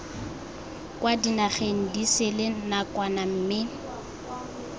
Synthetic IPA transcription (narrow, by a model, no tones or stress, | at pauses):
kʼwadinaχeŋ̩disɪlenakʼwanam̩mɪ